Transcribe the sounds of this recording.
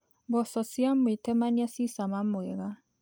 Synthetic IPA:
bɔsɔsjamwetɛmaniasisamamwɛɣa

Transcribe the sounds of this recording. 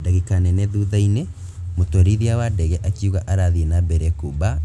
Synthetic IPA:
daɣikanɛnɛðuðaine | motoɾiɾiawadɛɣɛʔakiuɣaʔaɾaðiɛnabɛɾɛkoba

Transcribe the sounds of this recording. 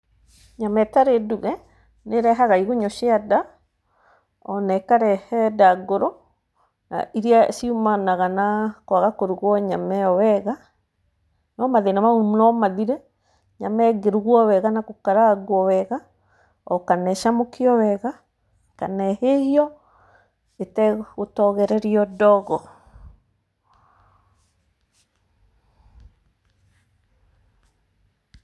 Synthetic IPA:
ɲamɛtaɾeduɣɛ | neɾɛɦaɣaiɣuɲoʃiada | ɔnɛkaɾɛhɛdaɡoɾo | na̰iɾiaʃiumanaɣanakwaɣakoɾuɣwɔɲamɛɔwɛɣa | nɔmaðenamaumnɔmaðiɾɛ | ɲamɛɡeɾuɣwɔwɛɣanakokaɾaaɣwɔwɛɣa | ɔkanɛʃamokiɔwɛɣa | kanɛhehiɔ | etɛotɔɣɛɾɛɾiɔdɔɣɔ

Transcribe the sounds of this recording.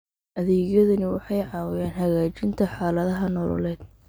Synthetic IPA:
ʔɐðɛːɣjɐðʊnɪwɑħɑjʕɑːwɪjaːnɦɐɣaːt͡ʃɪnt̪ʰɐħɑːlɐðɐɦɐnɔːlɔ̰lɛːd̪̥̚

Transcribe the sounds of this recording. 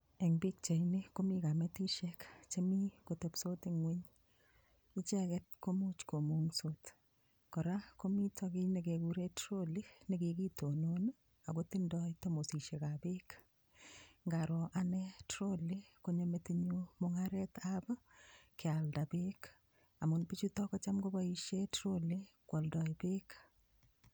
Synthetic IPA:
eŋbik̚t͡ʃajnikomikametiʃɛkt͡ʃemikotɛpsotɪŋweɲ | ɪt͡ʃɛkɛt̚komut͡ʃkomuŋsot | kɔɾakomitʰɔɡineɡeɡuɾetɾolineɡikitonon | aɡotindɔjtomosiʃekabeːk | ŋɡaɾɔʔanɛtɾolekoɲometeɲumʊŋaɾɛtabakɪaldabek | amunbit͡ʃutɔkɔt͡ʃamɡobaiʃjetɾolekwɔldɔjbek

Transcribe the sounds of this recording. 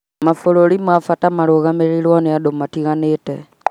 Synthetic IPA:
mafololimwafatamaloɣameɾilwaneadomatiɣanete

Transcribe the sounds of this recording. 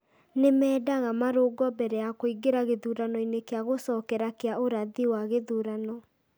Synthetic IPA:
nemɛːdaɣamaɾoɡɔbɛɾɛjakoiɡeɾaɣeðuɾanɔinekeaɣosɔkɛɾakeaoɾaðiwaɣeðuɾanɔ

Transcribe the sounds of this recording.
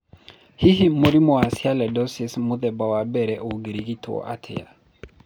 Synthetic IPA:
hiɦimoɾimɔasjalɛdɔsismuðɛbawabɛɾɛʔoɡiɾiɡitʰwɔ̰ʔatʰɪ̰ja̰

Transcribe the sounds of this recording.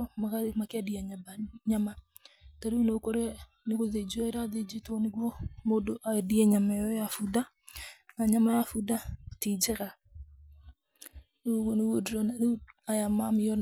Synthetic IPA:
ɔmaɣaemakeadiaɲabaɲama | taɾeuneokɔɾɛ | neɣoðed͡ʒuaeɾaðed͡ʒetɔneɣwɔmodoʔaediɛɲamɛjɔjafuda | naɲamajafudatid͡ʒɛɾa | newodɾɔnaðeajamamɪɔn

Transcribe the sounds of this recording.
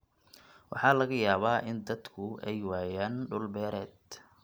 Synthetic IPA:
wɑ̰ħɑːlɐɣɐjaːβaːʔɪnd̪ɐd̪kʰʊɛjwaːjaːnɖʊlbɛːɾɛːd̪̚

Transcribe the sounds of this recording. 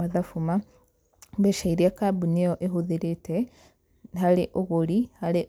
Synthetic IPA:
aðafuma | βeʃaiɾiakabuneoʔeɦuðiɾite | ɦaleʔoɣuɾihale

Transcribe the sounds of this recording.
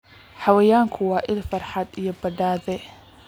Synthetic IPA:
ħɑwɛjaːŋkʰʊwɑːʔɪlfɐrħɑd̪ijɔbɐɖaːðɛ

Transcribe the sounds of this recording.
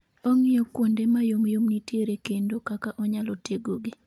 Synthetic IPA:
ɔŋɪɔkwondemajomjomnitjeɾekendokakaʔɔɲalɔteɡoɡɪ

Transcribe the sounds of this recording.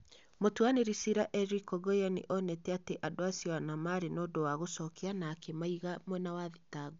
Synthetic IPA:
motuaneɾisiɾaʔɛɾikɔɡɔjanḭʔɔnɛtɛateʔadoasijɔanamaɾenodowaɣosɔkeanakɛmaiɣamwɛnawaðitaɡo

